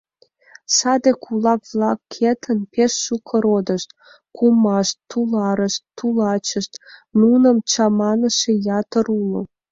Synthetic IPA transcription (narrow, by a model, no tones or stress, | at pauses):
sɑd̪ekʰulɑkβlɑkːʰet̪ʰənpeʃːukʰəɾod̪əʃt̪̚ | kumɑʃt̪ːulɑɾəʃt̪ːulɑt͡ɕəʃt̪nunəmt͡ɕɑmɑnəʃejɑt̪əɾulo̰